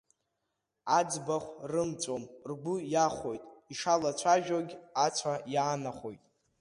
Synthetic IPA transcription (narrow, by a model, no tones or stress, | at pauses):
ad͡zbaχʷrɨmt͡sʷʼomrɡʷʊjaχʷojtʼiʂalat͡ɕʷʰaʒᶣoɡʲat͡sʷʰajaːnaχo̞̰jtʼ